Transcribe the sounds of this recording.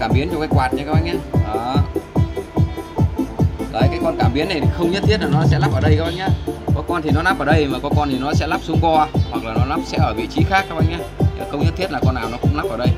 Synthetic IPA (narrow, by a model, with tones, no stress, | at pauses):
kaː˧˩mɓi˨˦ənt͡ɕɔ˧ŋ͡mkaː˨˦jkwaː˨˩t̚ɲa˨˧kaː˨˦˥ɓʔa˧jɲaː˧˦ʔəː˨˩ | ləː˨˩jkaː˨˦jkɔ˧nkaː˧˩mɓi˨˦əna˨˩jt̪ʰi˨˩xə˧wŋ͡mɲə˦˥t̪ʰi˦˥t̚laː˨˩nɔ˨˦sɛ̰˧˥la˦˥p̚ʔəː˧˩ɗə˧jka˦pʔa˧jŋɲaː˨˦kɔ˨˦kɔ˧nt̪ʰi˨˩nɔ˨˦naː˦˥p̚ʔəː˧˩ɗə˧jmaː˨˩kɔ˨˦kɔ˧nt̪ʰi˨˩nɔ˨˦sɛ̰˧˥laː˦˥p̚su˨˦əmkɔ˧hwa˨˩k̚laː˨˩nɔ˨˦laː˦˥p̚sɛ̰˧˥ʔəː˧˩vḭ˧˨t͡ɕi˨˦xaː˦˥k̚ːaː˦˥pʔa˧jŋɲaː˨˦˨xə˧wŋ͡mɲə˦˥t̪ʰi˦˥ət̚laː˨˩kɔ˧nːaː˨˩wnɔ˨˦kʊ̰˧˥ŋ͡mna˦˥pʔəː˧˩ɗə˧j